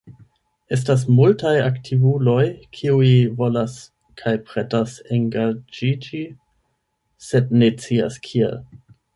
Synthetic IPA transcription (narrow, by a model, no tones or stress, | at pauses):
e̞s̬tas̬multajaktʰivulo̞jkʰiuivo̞las | kʰajpɾetaseŋɡad͡ʒid͡ʒi | se̞dne̞t͡sia̰skʰiḛl